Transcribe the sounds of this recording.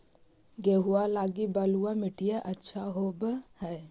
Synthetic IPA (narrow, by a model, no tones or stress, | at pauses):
ɡeːɦualaːɡibaluwamɪʈʰijeʔɐtːʃʰaɦoːbhɛː